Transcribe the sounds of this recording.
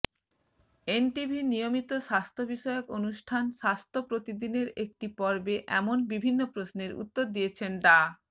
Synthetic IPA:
enʈibʱinijomit̪oʃast̪ʰobiʃɔeokonuʃʈʰanʃast̪ʰopɾot̪id̪ineɾek̚ʈipɔɾbeʔɛ̰monbibʱinːopɾosneɾṵt̪ːoɾd̪ijet͡ɕʰenɖa

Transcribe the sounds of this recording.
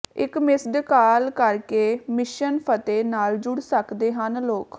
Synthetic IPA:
ɪkmɪsd̪kaːlkəɾkeːmɪʃənpʰət̪eːnaːld͡ʒʊɽsəkd̪eːɦənloːk

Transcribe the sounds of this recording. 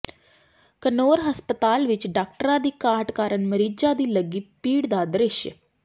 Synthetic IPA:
kənoːɾɦəspət̪aːlʋɪt͡ʃɖaːk̚ʈəɾãːd̪iːkaːʈkaːɾəɳməɾiːd͡ʒãːd̪iːləɡiːpiːɽd̪aːd̪ɾɪʃj

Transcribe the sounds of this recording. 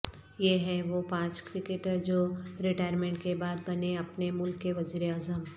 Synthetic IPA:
jeɦɛ̃ʋopãːt͡ʃkɾɪkeʈəɾd͡ʒoːɾɪʈaːɪɾmẽːɳʈkebaːd̪bɐneɐpnemʊlkːeʋɐziːɾeaːzəm

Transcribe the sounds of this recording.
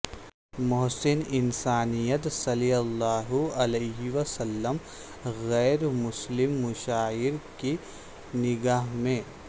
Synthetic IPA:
mʊɦsɪnɪnsaːnijət̪sɐlijɐlːaːɦʊɐleːɦiʋɐsɐlːəm | ɣɛːɾmʊslɪmːʊʃaːɪɾki | nɪɡaːɦmẽ

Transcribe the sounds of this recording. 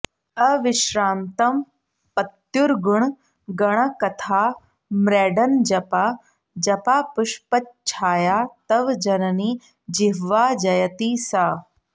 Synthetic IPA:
ɐʋɪʃɾaːnt̪ɐm | pɐt̪juɾɡuɳ | ɡɐɽ̃ɐkɐt̪ʰaː | mɾeːɖɐnd͡ʒɐpaː | d͡ʒɐpaːpuʃpɐtt͡ʃʰaːjaːt̪ɐʋd͡ʒɐnɐniː | d͡ʒiɦʋaːd͡ʒɐjɐt̪iːsaː

